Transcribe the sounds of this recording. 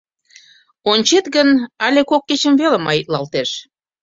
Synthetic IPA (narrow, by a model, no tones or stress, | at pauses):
onʲt͡ɕet̪ɡənɑlʲekokːet͡ɕə̆mvelə̆mɑjit̪̚lɑlt̪eʃ